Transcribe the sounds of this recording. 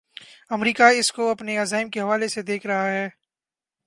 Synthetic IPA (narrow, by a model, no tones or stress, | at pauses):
ɐmɾiːkaɪskoɐpneɐzaːɪmkeɦɐʋaːlesed̪eːkʰɾɐɦaɦɛː